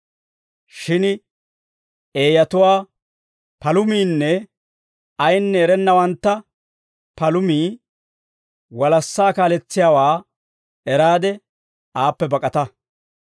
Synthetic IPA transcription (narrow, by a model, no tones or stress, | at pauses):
ʃɪn | eːjɐt̪ʊwaː | pɐlʊmiːnːɛ | ɐjnːɛːɾɛnːɐwɐnt̪ːɐ | pɐlʊmiː | wɐlɐsːaːkaːlɛt͡sːɪjaːwaː | ɛɾaːd̪ɛ | aːpːɛbɐkʼɐt̪ɐ